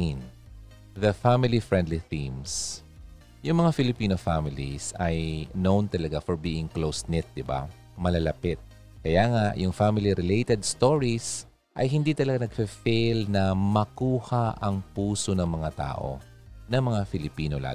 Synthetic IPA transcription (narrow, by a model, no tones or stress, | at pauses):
n | ðɐfamɪlifɹɛnd̪liθĩms | jʊŋmɐŋafɪlɪpiːnofamɪlḭsɐjnownt̪ɐlɐɡafɔɹbiːʔɪŋklowsnɪt̪̚d̪ɪba̰ | mɐlɐlɐpɪt̪̚ | kɐjaːŋajʊŋfamɪliɾɪlejt̪ɛd̪̚st̪oɹis | ʔɐ̰jɦɪnd̪it̪ɐlɐɡanɐɡ̚fifejlnɐmɐkuːhaʔɐŋpuːsonɐŋmɐŋat̪a̰ːʔo̞̰ | nɐŋmɐŋafɪlɪpiːnola̰